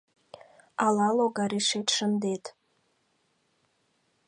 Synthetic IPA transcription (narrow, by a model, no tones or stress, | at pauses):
alaloɡaɾiʂejtʰʂɨndetʰʼ